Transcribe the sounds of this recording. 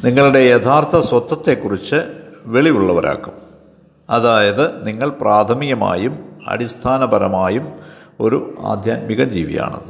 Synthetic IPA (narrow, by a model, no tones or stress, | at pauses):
niŋːɐɭuɽe̞jet̪ʰaːrt̪ʰɐswɐt̪ːɐt̪ːe̞kːurit͡ɕːɨʋe̞ɭiuɭːɐʋɐɾa̰ːkːum | ɐðaːjɐðɨniŋːɐɭpraːt̪ʰɐmijɐma̰ːjumɐ̰ɾist̪ʰaːnɐbɐɾɐmaːjumo̞ɾṵa̰ːd̪ʱjaːt̪̚miɣɐmd͡ʑḭːʋḭja̰ːɳɐ̰ðɨ